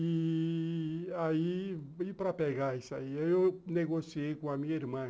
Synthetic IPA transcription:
i | aiipɾɐpeɡaisaiewewneɡosiejkõamĩɲɐiɾmɐ̃

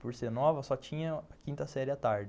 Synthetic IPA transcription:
poɾseɾnɔvɐsɔt͡ʃĩɲɐɐkĩnt̪ɐsɛɾɪɐt̪aɾd͡ʒɪ

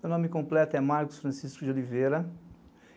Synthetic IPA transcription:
mewnõmɪkõmplɛt̪ɛmaɾkʊ̥sfɾɐ̃siskʊd͡ʒolivejɾɐ

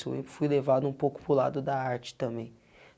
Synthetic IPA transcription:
so̰ḛ̃fujlevad̪ʊũpowkʊ̥pɾʊla̰d̪ʊd̪ɐaɾt͡ʃɪ̥t̪ɐ̃mbẽj̃

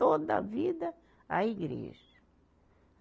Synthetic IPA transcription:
od̪ɐ̰vid̪ɐ | aiɡɾḛʒɐ

